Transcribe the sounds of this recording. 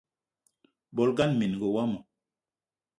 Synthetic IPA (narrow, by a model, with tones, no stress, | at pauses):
bɔ˨˦lɡa˦nmi˨n˨ɡo˨wa˦mɔ˨